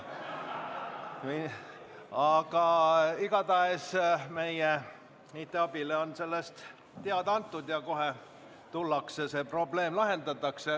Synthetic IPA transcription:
mi | ɑɡ̥ɑiɡɑt̪ɑesme̞je | niːt̪ːˑeɑb̥ileo̞nse̞lːest̪ | t̪ːeɑd̪ɑnt̪ːˑud̪̥jɑko̞ɦe | t̪ulːɑksese̞pro̞ble̞ːmlɑɦe̞nd̪ɑt̪ːˑɑkse

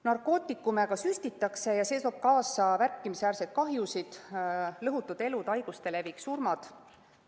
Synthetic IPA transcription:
nɑrko̞ːt̪ːˑikːumæɡ̥ɑsyst̪it̪ːˑɑkse̞jɑse̞ːt̪o̞ːb̥̚kɑːsɑværkːˑimisæːrset̪̚kɑɦjusid̪̥lɤɦut̪ːˑud̪̥e̞lud̪ɑjɡ̥ust̪e̞levijksurmɑd̪̥

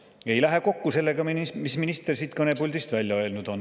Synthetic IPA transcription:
e̞jlæɦe̞ko̞kːuse̞lːe̞ɡ̥ɑminmisminist̪ersiːt̪kɤne̞pulʲd̪ist̪vælʲjɑø̞lnud̪̥o̞n

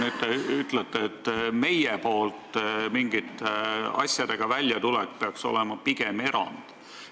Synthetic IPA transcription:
nyd̪̚t̪eyt̪ːˑlet̪ːˑeːt̪ːme̞jepo̞ːlt̪miŋɡit̪ːeɑ̰sjɑd̪̥e̞ɡ̥ɑvælʲjɑt̪ulɛkpeɑkso̞̰lemɑpiɡe̞me̞ɾɑ̰nd̪̥

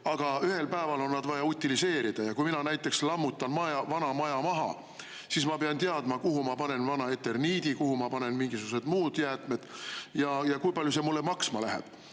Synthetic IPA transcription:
ɑɡ̥ɑyɦe̞lpæevɑlo̞nːɑd̪̥vɑjɑut̪ʲːilise̞ːɾid̪̥ɑjɑkujminɑnæjt̪ːˑe̞kslɑmːut̪ːˑɑnmɑjɑvɑnɑmɑjɑmɑɦɑ̰ | sismɑpeɑnt̪eɑd̪̥mɑkuɦumɑpɑne̞nvɑnɑet̪ːe̞rniːd̪̥ikuhumɑpɑne̞nmiŋɡisuɡ̥use̞d̪muːd̪̥jæːt̪me̞d̪̥jɑjɑkujpɑlʲjuse̞mulːemɑksmɑlæɦḛb̥

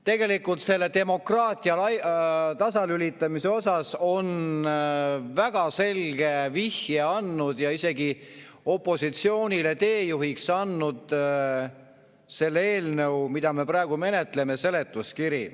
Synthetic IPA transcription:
t̪e̞ɡe̞likːult̪se̞lːe̞t̪e̞mo̞krɑːt̪ʲˑiɑlɑjt̪ɑsɑlylʲit̪ːˑɑmise̞o̞sɑso̞n | væɡ̥ɑse̞lɡe̞vihjeɑnːud̪̥jɑise̞ɡi | o̞pːˑo̞sit̪sio̞ːnʲile̞t̪e̞ːjuɦiksɑnːud̪̥ | se̞lːee̞ːlnəumid̪̥ɑme̞pɾæeɡ̥ume̞ne̞t̪le̞me̞se̞le̞t̪ˑːuskiɾi

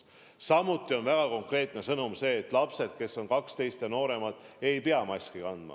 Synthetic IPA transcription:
sɑmut̪ˑːio̞nvæɡ̥ɑko̞ŋkre̞ːt̪ˑne̞sɤnumse̞ːt̪ːˑlɑpse̞d̪̥̚ke̞sːo̞nkɑkst̪e̞jst̪jɑno̞ːɾe̞mɑd̪̥ | e̞jpeɑmɑsʲkikɑnd̪̥mɑ̰

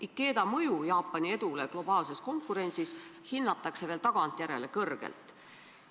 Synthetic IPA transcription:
ʔikːˑe̞ːd̪̥ɑmɤjujɑːpˑːɑnie̞d̪̥uleɡ̥lo̞b̥ɑːlse̞sko̞ŋkːˑuɾe̞nʲsishinːɑt̪ːˑɑkse̞ve̞ːlt̪ɑɡ̥ɑnt̪jæɾe̞le̞kɤrɡ̥ḛlt̪ˑ

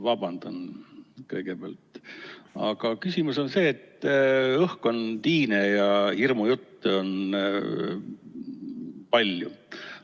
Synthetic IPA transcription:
vɑbɑnd̪̥onkɤjɡ̥e̞peæ̰ɑ̰lt̪ːˑ | ɑ̰ɡ̥ɑkysimuso̞nse̞ːt̪ːˑɤhko̞nt̪iːnejɑhirmujut̪ːeo̞n | pɑlʲju

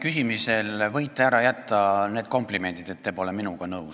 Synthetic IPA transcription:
kysimise̞lvɤjt̪ːˑeæɾɑjæt̪ˑːɑne̞ːd̪̚ko̞mplime̞nt̪id̪̥et̪ːebo̞leminuɡ̥ɑnɤws

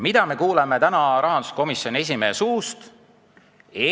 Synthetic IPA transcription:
mid̪̥ɑme̞kuːleme̞t̪ænɑɾɑɦɑnd̪̥u̥sko̞misjo̞nie̞s̬ʲime̞ːsuːst̪ | e

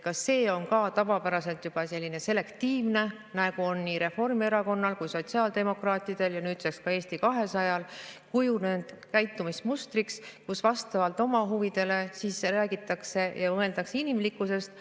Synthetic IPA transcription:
kɑsːe̞ːo̞nkɑːt̪ɑvɑpæɾɑse̞lt̪jub̥ɑse̞lːine̞se̞le̞kt̪iːvne̞ | næɡ̥uo̞nːiːɾe̞fo̞rmie̞ɾɑko̞nːɑlkujso̞t̪ʲsiɑːld̪e̞mo̞krɑːt̪ʲˑid̪̥e̞ljɑnyːt̪sekskɑe̞ːst̪ikɑɦe̞sɑjɑlkujune̞nd̪̥ | kæjt̪ːˑumismust̪rikskusvɑst̪ɑvɑlt̪ˑo̞mɑɦuvid̪̥e̞le̞sisræːɡ̥it̪ːˑɑkse̞jɑmɤe̞ld̪̥ɑkseinimlikːˑuse̞st̪

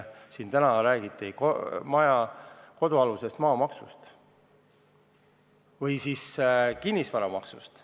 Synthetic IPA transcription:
sint̪ænɑɾæːɡ̥it̪ːˑikomɑjɑko̞d̪uɑluse̞st̪mɑːmɑksust̪ | vɯjsiːskinʲːisvɑɾɑmɑksust̪

